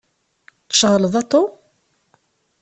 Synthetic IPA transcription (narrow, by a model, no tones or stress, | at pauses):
ʃəʁləðˤɑt̪ˤːo